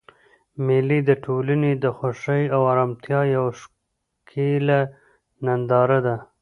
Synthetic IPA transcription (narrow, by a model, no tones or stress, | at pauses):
mɪlid̪əʈʰolaned̪əxoʂəjawɑɾɑmt̪ʰjɑjawʂ | kʰela | nand̪ɑɾad̪a